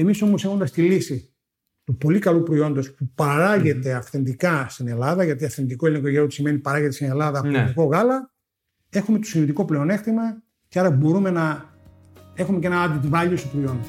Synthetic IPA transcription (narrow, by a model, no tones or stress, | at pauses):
emiso̞mo̞se̞xo̞nd̪ɐst̪ilisi | t̪upo̞likɐlupɾoio̞nd̪ospupɐɾɐʝe̞t̪e̞ɐfθe̞nd̪ikɐst̪ine̞lɐðɐʝɐt̪iɐfθe̞nd̪iko̞eleŋko̞ʝeɾot̪isime̞nipɐɾɐʝet̪esine̞lɐðɐːpniko̞ɣɐlɐ | e̞xumet̪osinit̪iko̞ple̞o̞ne̞xt̪imɐ | ceɐɾɐbo̞ɾume̞nɐ | e̞xume̞cenɐɐd̪it̪vɐʎost̪opɾoio̞nd̪o